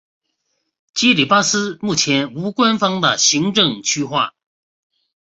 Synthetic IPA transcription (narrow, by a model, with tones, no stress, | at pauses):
t͡ɕi˥li˨˩pa˥sɹ̩˥mu˥˩t͡ɕʰjɛ˧˥nu˧˥kwa˥nfɑ˥ŋd̪ə˨ɕi˧˥ŋʈ͡ʂɤ˥˧ŋt͡ɕʰy˥xwa̰˥˩